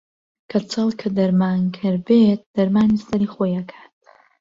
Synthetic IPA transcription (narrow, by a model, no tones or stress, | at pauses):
kʰɐt͡sʰɐlˠkʰɐd̪ɐɾmaːnkʰɨɾbet̚d̪̥ɐɾmaːnist̪ɐɾiχojɐkʰḁːt̚ʰ